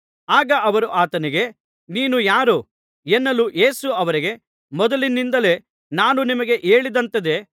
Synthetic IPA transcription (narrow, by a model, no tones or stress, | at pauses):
aːɡɐʔɐʋɐɾuʔaːt̪ɐniɡe̞ | niːnujaːɾu | enːɐluje̞ːsuɐʋɐɾiɡe̞ | mɔd̪ɐlinːind̪ɐle̞ | naːnunimɐɡe̞ʔe̞ːɭid̪ɐnt̪ɐd̪e̞